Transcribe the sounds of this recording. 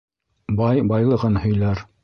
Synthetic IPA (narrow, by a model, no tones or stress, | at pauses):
bɑjbɑjlˠɤ̆ʁɤnhɵ̆jlæɾ